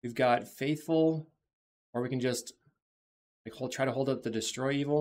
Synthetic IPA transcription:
wivɡɑtfeɪθfl̩ˠ | ə˞wikɨ̃nd͡ʒʌst | laɪkhotʰɹ̥aɪɾəɦoʊlˠdʌp̚ðɨdɨstɹ̥ɔɪivl̩ˠ

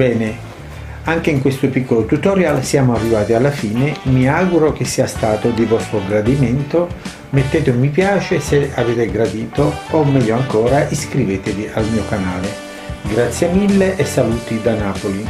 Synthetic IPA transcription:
bɛːne | aŋk̟eiŋkwest̪ʊpikʰːolot̪ut̪oɾjalsjaːmʊarːivaːt̪ialːafiːnemiaɡuɾok̟esːiːast̪aːt̪od̪ivɔst̪oɡɾad̪iment̪o | met̪ːeːt̪mip̬jaːt͡ʃeseaveːt̪eɡɾad̪iːt̪oːmːɛʎːoaŋkɔːɾaʔiskɾiveːt̪eviʔalmiːokanaːle | ɡɾat̪sːjemilːeʔɛsːaluːt̪id̪anaːpoli

